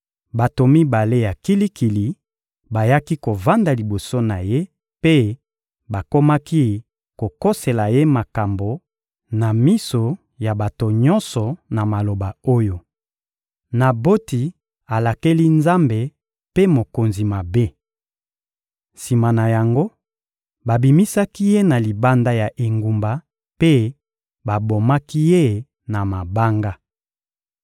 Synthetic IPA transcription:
ba˨to˨mi˦ba˨le˦ja˨ki˦li˦ki˨li˨ | ba˨ja˦ki˦ko˨va˦nda˨li˨bo˨so˦na˨je˦ | pe˦ | ba˨ko˦ma˦ki˦ | ko˨ko˦se˨la˨je˦ma˨ka˨mbo˨ | na˨mi˦so˨ | ja˨ba˨to˨ɲɔ˦nsɔ˨na˨ma˨lo˨ba˨o˦jo˨ | na˨bo˦ti˨ | a˨la˨ke˦li˦nza˦mbe˨ | pe˦mo˨ko˨nzi˨ma˨be˦ | si˨ma˨na˨ja˨ŋɡo˦ | ba˨bi˨mi˦sa˦ki˦je˦na˨li˨ba˦nda˦ja˨ʔe˨ŋɡu˨mba˨ | pe˦ | ba˨bo˨ma˦ki˦je˦ | na˨ma˨ba˦ŋɡa˦

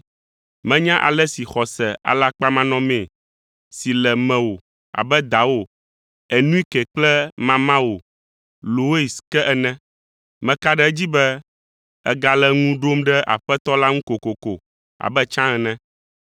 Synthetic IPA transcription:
mɛ̃˦ɲã˦ʔa̰˨lɛ˦si˨xɔ˨sɛ˨a̰˨la˦k͡pa˦mã˦nɔ̃˦mẽ˨ | si˨lɛ˨mɛ̃˨wo˨ | a̰˨bɛ˦d̪a˨wo˨ | ɛ˨nũ˦i˦kɛ˨k͡plɛ˦mã˨mã˦wo˨ | lo˨we˦i˨skɛ˦ʔɛ˨nɛ̃˦ | mɛ̃˨ka˦ɖɛ˦ɛ˦d͡ʑi˦bɛ˦ | ɛ̰˦ɡa˨lɛ˦ŋũ˦ɖo˦mɖɛ˦ʔa̰˨ɸɛ˦t̪ɔ˦la˦ŋũ˦ko˨ko˨ko˨ | a̰˨bɛ˦t͡ʃã˦ɛ˨nɛ̃˦

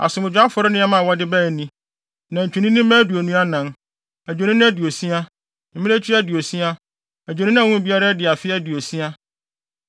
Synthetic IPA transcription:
a̰˨sʊ̃˨m˨d͡ʑᶣa˦fɔ˦ɾɪ˦nɪ̃˦a˦mã˦˨wɔ˦dɪ˦bæ˦˨nĩ˦ | nã˨ɲ̩˨t͡ɕʰᶣũ˨nĩ˦nĩ˦mã˦du˨æ˨nũ˦a˦nã˨n | æ˨d͡ʑᶣo˨nɪ̃˦nɪ̃˦æ˦dɪ˨o˨sĩ˦a˦ | m̩˨mĩ˦æ˦t͡ɕʰi˦æ˦dɪ˨o˨sĩ˦a˦ | æ˨d͡ʑᶣo˨ñɪ̃˦ñ˦˨wũ˦˨bi˦a˦ɾa˦dɪ˨a˨fɪ˦æ˦dɪ˨o˨sĩ˦a˦

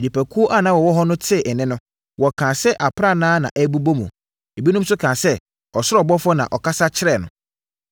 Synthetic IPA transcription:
di˨pæ˨kʰu˦o˦ʔa˦nã˨˦wɔ˨wɔ˦ɦɔ˦nʊ̃˦tʰɪ˦˨ɛ˨nɪ̃˦nʊ̃˦ | wɔ˨kʰã˨sɛ˦ʔa˨pʰɾa˦˨nãː˦nã̰˨ʔæ˦bu˦bo˦mṵ̃˨ | e˨bi˦nʊ̃˦m˦sʊ˦kʰã˨sɛ˦ | ɔ˨sʊ˦ɾɔ˨bɔ˦fɔ˦nã̰˨ʔɔ̰˨kʰa˦sa˦t͡ɕʰɪ˦ɾɛ˦˨nʊ̃˨

